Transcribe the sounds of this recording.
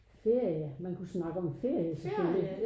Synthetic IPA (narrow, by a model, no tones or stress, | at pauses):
fe̝ɐ̰jəmænkʰusnɑ̈ɡ̥əɒ̽mfe̝ɐ̰jəsɒføli